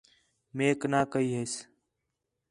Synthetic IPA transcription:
meːknaːkəiːɦeːs

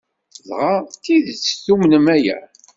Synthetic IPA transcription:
zʁat̪ːiðt͡sːθumnəmæjæ̰

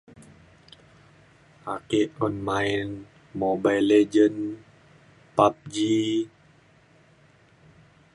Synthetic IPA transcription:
akeʔɔnmain | mobajled͡ʒən | pap̚d͡ʒi

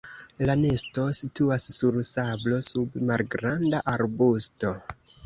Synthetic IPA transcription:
lanesto̞situasːuɾsablo̞submalɡɾandaʔaɾbusto̞

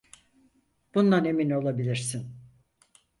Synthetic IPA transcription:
b̥und̪ˠane̞mino̞lˠabilʲiɾsin

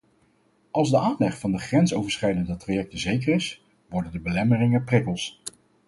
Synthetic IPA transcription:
ʔɑlˠzdəʔaːnlɛχfɑndəχrɛnsowvəɹsχɛjdəndətrajɛk̚təzejkərɪs | ʋɔɹdəndəbəlɛmərɪŋəprɪkəlˠs

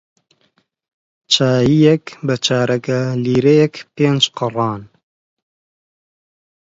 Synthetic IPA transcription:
t͡ʃʰaːjijɛkbət͡ʃʰaːɾɐkɐliːɾejɛkpeːnd͡ʒqɨrˤɑːn

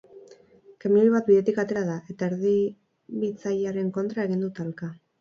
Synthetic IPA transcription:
kemiiβat̪̚biðe̞t̪ikat̪e̞ɾaðaʔe̞t̪aeɾði | βit͡sajaɾe̞ŋko̞nt̪ɾae̞ɣind̪ut̪alka

